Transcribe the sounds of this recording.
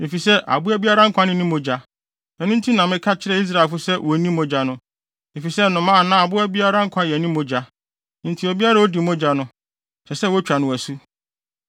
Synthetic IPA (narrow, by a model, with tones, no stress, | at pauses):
mɪ̃˨fi˨sɛ˦ʔa̰˨bʊ˦æ˦bi˦a˦ɾa˦ŋ̩˦kʰʷã˦nɪ̃˨˦nɪ̃˦mõ˨d͡ʑa˨ | ɛ̃˨nʊ̃˦n̩˦tʰĩ˦nã˨mɪ̃˦kʰa˦t͡ɕʰɪ˦ɾɛ˦i˦s̬ɾa˨lfʊ˦sɛ˦wɔ˨nĩ˦mõ˦d͡ʑa˨nʊ̃˦ | mẽ˨fi˨sɛ˦nʊ̃˨mã˦a˨nã˦˨a˨bʊ˦æ˦bi˦a˦ɾa˦ŋ̩˦kʷʰã˦jɛ˨nɪ̃˦mõ˨d͡ʑa˨˦ | n̩˨tʰi˨o˨bi˦a˦ɾa˦o˦di˨mõ˦d͡ʑa˨nʊ̃˦ | sɛ˨sɛ˦wɔ˦t͡ɕᶣa˨nʊ̃˨æ˨su˦